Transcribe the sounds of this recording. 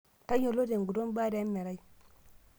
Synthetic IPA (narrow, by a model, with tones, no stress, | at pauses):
ta˦jo˨lo˦de˨ɡu˨do˦m˦ba˦da˨˦mːe˨ɾa˦ji˦